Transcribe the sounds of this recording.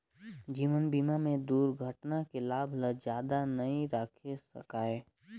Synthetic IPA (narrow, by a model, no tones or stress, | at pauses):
d͡ʒiːʋənbiːmamẽd̪uːɾɡʱəʈnakelaːbʱləd͡ʒjaːd̪anɐɦĩɾaːkʰesɐ̰kaːeː